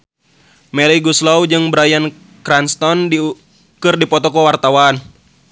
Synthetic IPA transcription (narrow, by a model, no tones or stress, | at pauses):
mɛɾiɡuslaud͡ʒɨŋbɾajan | kɾanst̪ɔndi | kɨrdipɔt̪ɔkɔwart̪awan